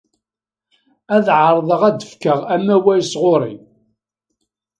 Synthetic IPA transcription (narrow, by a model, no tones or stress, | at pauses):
æðʕəɾˤðˤəʁæd̪əfkəʁæmːæwæjsʁʊɾˤḭ